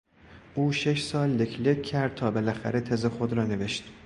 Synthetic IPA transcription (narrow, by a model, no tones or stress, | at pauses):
ʔuːʃeʃsɒːlːekʰlecʰæɾd̪̚t̪ʰɒːbelæxæ̰ɾet̪ʰezexod̪ɾɒːne̞veʃt̪